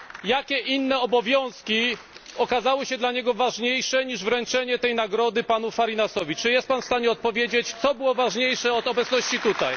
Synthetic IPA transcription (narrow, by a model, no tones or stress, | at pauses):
jakʲɛʔinːɛɔbɔvʲjɔ̃w̃skʲiɔkazawɤɕɛd̪laɲɛɡɔvaʐɲejʂɛɲiʐvɾɛnt͡ʂɛɲɛt̪ɛjnaɡɾɔd̪ɘpanufaɾinasɔvʲit͡ʂɨjɛst̪̚panfst̪aɲɛɔt̪̚pɔvʲjed͡ʑet͡ɕt̪sɔbɘwɔvaʐɲejʂɛɔt̪ɔbɛt̪snɔɕt͡ɕit̪ut̪aj